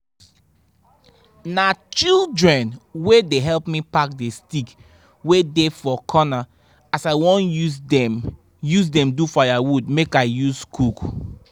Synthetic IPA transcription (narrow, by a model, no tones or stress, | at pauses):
nat͡ʃildɹɛ̃nwedeɦɛlpmipak̚destik | wedefɔkʰɔna | asaɪwɔ̃nu | juzdɛ̃mdufajawud̚mekaɪjuskʰuk